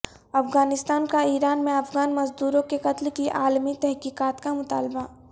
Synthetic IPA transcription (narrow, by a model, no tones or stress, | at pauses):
ɐfɣaːnɪst̪aːnkaiːɾaːnmẽɐfɡaːnmɐzd̪uːɾõkeqɐt̪lkiʔaːlmit̪ɛɦkiːkaːt̪kamʊt̪a̰ːlba